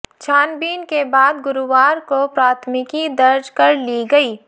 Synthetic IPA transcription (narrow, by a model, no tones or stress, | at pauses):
t͡ʃʰaːnbiːnkebaːd̪ɡʊɾuwaːɾkopɾaːt̪ʰmɪkid̪ɐɾd͡ʒkɐɾliɡɐiː